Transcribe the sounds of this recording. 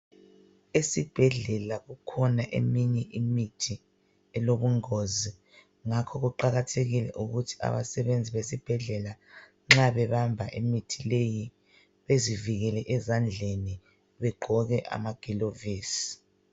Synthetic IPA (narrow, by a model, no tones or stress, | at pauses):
esib̥ʱɛɮɛlaɣukʰɔnaʔḛmiɲɛʔimitʰi | ɛloβuŋozi | ŋakʰɔɣuǃaɣatʰeɣilɛ̰ʔuɣutʰi̥a̰βa̰sɛβend͡zʱiβesib̥ʱɛɮɛla | ŋ͡ǁaβɛβambʱaʔemitʰileji | βeziviɣɛlɛʔɛzand͡ɮʱeni | βɛɡ͡ǃʱɔɣɛʔa̰maɡ̥ʱiloviːsi̥